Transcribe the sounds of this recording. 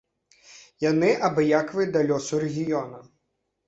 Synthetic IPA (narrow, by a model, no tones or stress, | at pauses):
jɐnɪʔɐbɪjakʋɪd̪ɐlʲɔsʊɾeɣʲijɔnɐ